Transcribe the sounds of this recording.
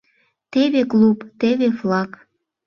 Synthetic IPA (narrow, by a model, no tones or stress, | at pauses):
t̪eβeklupt̪eβeflɑk